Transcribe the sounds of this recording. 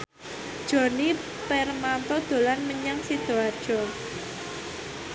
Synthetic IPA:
d̥ʒ̥ɔ̤ni | pɛrmant̪ɔd̪̥o̤lanməɲaŋsid̪̥o̤ad̥ʒ̥ɔ

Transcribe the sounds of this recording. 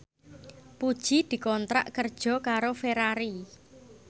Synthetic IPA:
pud̥ʒ̥i̤d̪̥i̤kɔnt̪ɾa̰ʔkərd̥ʒ̥ɔ̤kaɾofeɾaɾi

